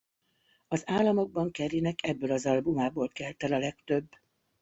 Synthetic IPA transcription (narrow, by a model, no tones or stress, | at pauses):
ɒzaːlːɒmo̞ɡ̚bɒŋkɛɾinɛkʰɛbːøːlɒzɒlbumaːboːlkɛlt̪ɛlɒlɛkt̪ø̞bː